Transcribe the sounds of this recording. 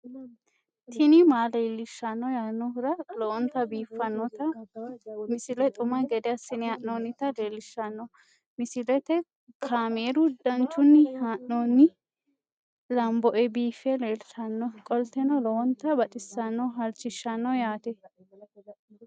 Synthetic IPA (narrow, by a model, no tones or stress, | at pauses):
t̪ʰɪnɪmaːleːlːɪʃːɐnːɔjaːnːɔhʊɾɐlɔwɔnt̪ɐbiːfːɐnːɔt̪ɐ | mɪsɪlɛt̪ʼʊmɐɡɛd̪ɛɐsːɪnɪɐʔnoːnːɪt̪ɐleːlɪʃːɐnːɔ | mɪsɪlɛt̪ɛ | kʰaːmeːɾʊd̪ɐnt͡ʃːʊnːɪhaʔnoːnːɪ | lɐmbɔʔɛbiːfɛleːlʃɐnːɔkʼɔlt̪ːɛnɔlɔwɔnt̪ːɐbɐt͡ʃʼɪsːɐnːɔɦɐlt͡ʃːɪʃːɐnːɔjaːt̪ɛ